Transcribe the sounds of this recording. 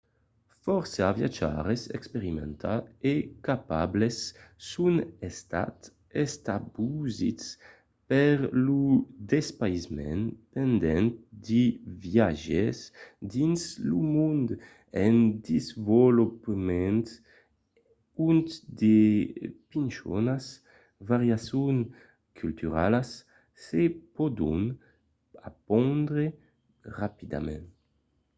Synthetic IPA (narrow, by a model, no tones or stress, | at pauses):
fɔɾsavja̰d͡ʒa̰ɾesɛ̰kspeɾimɛ̰nt̪ʰaekapa̰blesːunɛst̪a̰t̪ | ɛst̪abuzit͡s | pɛɾlud̪ɛspajzmɛ̰npɛnd̪ɛnt̪̚d̪ivjaʒesd̪inslumund̪ | ɛnd̪izvolupəmɛ̃nt̪ | unt̪d̪epinʃɔ̰nas | vaʁjasjuŋ | kʰylt̪yʁalasː | epod̪ṵn | a̰pɔnd̪ʁe | ʁapid̪a̰mɛ̃n